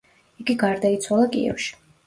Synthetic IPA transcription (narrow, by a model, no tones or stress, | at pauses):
iɡiɡaɾd̪ait̪sʰwalˠakʼḭɛ̰fʃi̥